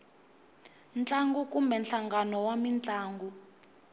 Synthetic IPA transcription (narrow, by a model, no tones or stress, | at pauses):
nt͡ɬʼaŋɡukʼumbɛnɬaŋɡanɔwamint͡ɬʼaːŋɡu